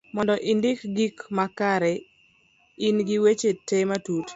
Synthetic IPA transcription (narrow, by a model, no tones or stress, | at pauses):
mɔndɔʔɪndɪkɡikmakaɾɛ | ɪnɡiwet͡ʃetematut